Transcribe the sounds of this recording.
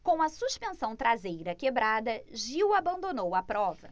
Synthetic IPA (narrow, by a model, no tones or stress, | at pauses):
kõw̃ɐsuʃpẽsɐ̃w̃t̪ɾazejɾɐkebɾad̪ɐʒiwabɐ̃nd̪onowɐpɾɔvɐ